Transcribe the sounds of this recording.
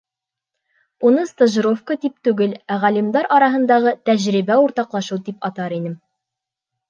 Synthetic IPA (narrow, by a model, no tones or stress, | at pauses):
unɤst̪ə̆ʒɾofkət̪ip̚t̪ʉɡɘlæʁælimd̪ɑɾʔɒɾɑɦɤ̆nd̪ɑʁɤt̪æʑɾibæuɾt̪ɑqlˠɑʃɤwd̪ipɑt̪ɑɾinɘm